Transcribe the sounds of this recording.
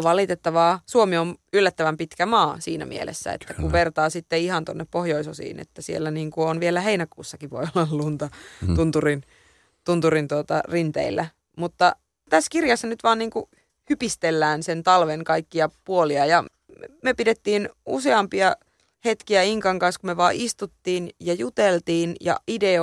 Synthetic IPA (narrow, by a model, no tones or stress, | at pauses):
ʋɑlit̪et̪ːɑʋɑːsuomionylːæt̪ːæʋæmpit̪kæmɑːsiːnæ̰mʔḭelḛsːæ̰ḛt̪ːækuʋert̪ɑːsit̪ːeihɑnt̪onːeppohjoisosḭːnḛt̪ːæsielːæniːŋkuonʋielæheinækuːsːɑkiʋʋojolːɑllunt̪ɑt̪unt̪urin | t̪unt̪urint̪uot̪ɑrint̪ḛilːæ | mut̪ːɑ | t̪æskirjɑsːɑnyt̪ʋɑːnniːŋku | hypist̪elːæːnsent̪ɑlʋeŋkɑikːiɑpuoliɑjɑ | møpidet̪ːiːnṵseɑmpiɑ | het̪kiæiŋkɑŋkɑnskumeʋɑːʔist̪ut̪ːiːnjɑjut̪elt̪iːnjɑ̰ide